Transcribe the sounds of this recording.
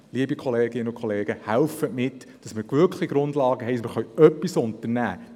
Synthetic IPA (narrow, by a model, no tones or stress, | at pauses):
liəbikʰɔleːɡɪnəʊkʰɔleːɡ̥əhælfətmɪtː | d̥ɑsmɪɾɡ̥ʋʏɾkχliɡɾʊndlɑːɡəɦɛɪmɪɾχœɥœpːisʊntəɾnæ̰ː